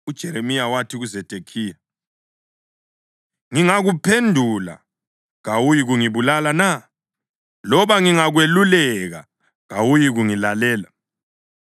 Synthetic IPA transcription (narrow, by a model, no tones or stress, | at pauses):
ud̥ʒ̥ʱɛɾemijawatʰiɣuzɛtʼekʰiːja | ŋiŋaɣupʰendʱula̰ | ɣawujiɣuŋiβulalana | lɔβaŋiŋaɣwelulɛɣa̰ | ɣawujiɣuŋilalɛːla